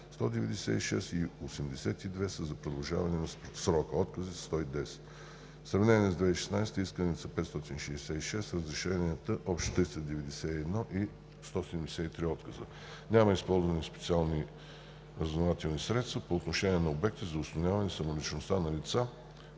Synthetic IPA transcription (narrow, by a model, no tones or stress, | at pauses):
st̪ɔd̪ɛvɛd̪ɛsɛ̰iʃɛ̰siosɛmd̪ɛsɛt̪id̪vɛsəzɐpɾod̪ɐlˠʒa̰vɐnɛnɐsɾɔkəɔt̪kəzist̪ɔid̪ɛsɛ̥t̪ | sɾɐvnɛnʲiɛzd̪vɛiʃɛ̥snajst̪əiskənit̪sɐpɛt̪st̪ɔt̪inʃɛisʲɛiʃɛsɾəzɾiʃɛniət̪əʔɔpʃt̪o̥t̪ːɾist̪əd̪ɛvɛd̪ɛsɛiɛd̪nɔʔi | st̪ɔsɛd̪ɛmd̪ɛsɛit̪ɾiɔt̪kəzə | nʲaməispɔlˠzvɐnʲɛspɛt̪sialˠni | ɾəznovat̪ɛlˠnisɾɛt̪st̪vəpoːt̪noʃɛniɛnɐobɛk̚t̪izɐʊsnonʲavɐnɛsɐmolit͡ʃnost̪anɐlit̪sa